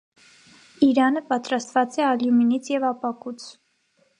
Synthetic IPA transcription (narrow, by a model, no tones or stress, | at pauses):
iɾɑnəpɑt̪ɾɑst̪vɑt͡sɛɑljuminit͡sʰjɛvɑpɑkut͡sʰ